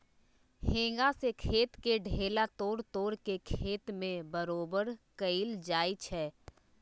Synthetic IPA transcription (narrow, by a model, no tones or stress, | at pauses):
hẽːŋ̆ɡasekʰeːt̪keɖʱeːlat̪oːɽt̪oːɾkekʰeːt̪mẽbəɾoːbəɾkəild͡ʒaːit͡ʃʰɛː